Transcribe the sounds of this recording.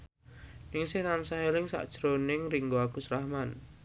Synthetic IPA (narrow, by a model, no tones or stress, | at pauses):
nɪŋsɪhnansaɦelɪŋsa̰ʔd̥ʒ̥ɾonɪŋriŋɡoaɡ̥usɾahman